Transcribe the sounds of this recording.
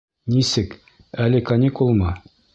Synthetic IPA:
nisɘk | ælɘkɐnʲikulˠmɤ

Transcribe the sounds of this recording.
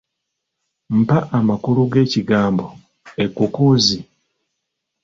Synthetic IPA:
m̩paʔamakuluɡe̞ːciɡaːmbo | e̞kːukuːzi

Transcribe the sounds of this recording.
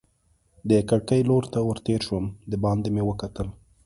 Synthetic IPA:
d̪əkaɽkəjloɾt̪awəɾt̪eɾʃwəmd̪əbɑnd̪emewəkat̪əl

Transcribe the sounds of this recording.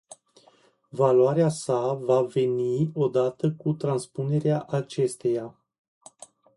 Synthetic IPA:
valowaɾeasavave̞nio̞d̪at̪əkut̪ɾanspune̞ɾeaʔat͡ʃe̞st̪e̞ja

